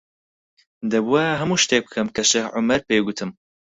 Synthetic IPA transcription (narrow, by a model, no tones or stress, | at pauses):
d̪ɐbuaɦɐmuːʃt̪eːk̚bɨkʰɐmkʰɐʃeːhʕʊmɐɾpeːɡʊt̪ʰɨm